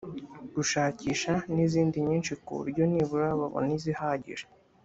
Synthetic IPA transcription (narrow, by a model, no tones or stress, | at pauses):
ɡ̥uʃaːciːʃaniziːndiɲiːnʃikṵβṵɾɟo̞niβuɾaβa̰βo̰nizihaɟḭɾe